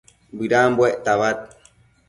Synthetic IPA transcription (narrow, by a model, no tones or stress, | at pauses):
bɨɾambweʔt̪aβat̪̚